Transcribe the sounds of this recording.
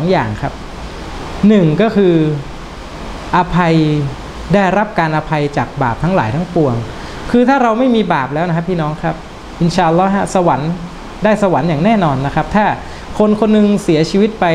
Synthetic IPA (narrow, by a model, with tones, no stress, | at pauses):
sɔː˩˦ŋjaː˨˩ŋkʰa˦˥p̚ | nɯ˨˩ŋkɔː˥˩kʰɯː˧ | ʔa˧pʰa˧j | daː˥˩jɾa˦˥p̚kaː˧nʔa˧pʰa˧jt͡ɕaː˨˩k̚ba̰ː˨˩p̚t̪ʰa˦˥laː˩˦jt̪ʰa˦˥ŋpu˧əŋ | kʰɯː˧t̪ʰaː˥˩ɾa˧wma˥˩jmiː˧baː˨˩p̚lɛː˦˥wna˦˥kʰa˦˥pʰːiː˥˩nɔː˦˥ŋkʰɾa˦˥p̚ | ʔi˧nɕaː˧˩ʔlːɔː˦˥ɦa˦˥sa˧wa˩˦n | daː˥˩jsa˧wa˩˦njaː˨˩ŋnɛː˥˩nɔː˧nːa˦˥kʰa˦˥p̚t̪ʰaː˥˩ | kʰo˧nkʰo˧nːɯ˧ŋsi˩˦ɐt͡ɕʰiː˧wi˦˥t̪̚pa˧j